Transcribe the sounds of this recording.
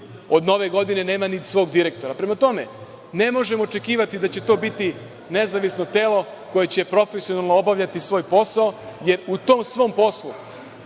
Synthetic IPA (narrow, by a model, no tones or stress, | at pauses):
o̞d̪no̞ʋe̞ɡo̞d̪ine̞ne̞ːmanit̪sʋo̞ːɡd̪iɾek̚t̪o̞ɾapɾe̞mat̪o̞me | ne̞mo̞ʒemoːt͡ʃe̞kiːʋat̪id̪at͡ɕe̞t̪o̞ːbit̪i | ne̞zaʋisno̞t̪e̞ːlo̞ | ko̞je̞t͡ɕe̞pɾo̞fesionalˠnoobaʋʎat̪isʋo̞ːjpo̞saoje̞ɾut̪o̞ːmsʋo̞ːmpo̞slu